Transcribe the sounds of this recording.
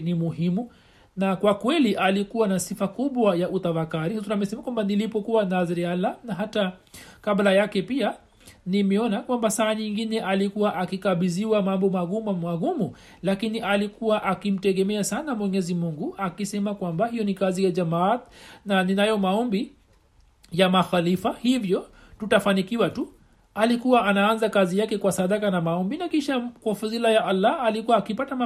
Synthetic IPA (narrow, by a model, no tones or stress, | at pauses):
nimuɦimu | nakwakwɛliʔalikuwanasifakuɓwajaʔutafakaɾihsunamɛsɛmakwambanilipɔkuwanazɛɾialanaɦatakablajakɛpia | nimɛɔnakwambasaːɲiŋɡinɛʔalikuwaʔakikaɓiziwamambɔmaɡummaɡumu | lakiniʔalikuwaʔakim̩tɛɠɛmɛasanamwɛɲɛzimuŋɡuakisɛmakwambahijɔnikazijad͡ʒamatnaninajɔmaɔmbi | jamaxalifahivjɔ | tutafanikiwatu | alikuwaʔanaanzakazijakɛkwasaɗakanamaɔmbinakiʃakwafazilajaʔalːaːlikuwaːkipatama